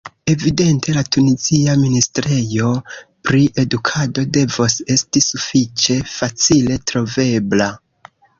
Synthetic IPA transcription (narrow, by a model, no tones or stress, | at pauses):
e̞vide̞ntʰe̞latuniziaministɾe̞jo̞pɾiʔe̞dukʰado̞de̞vose̞stisufit͡ʃe̞fat͡sile̞tɾo̞ve̞bla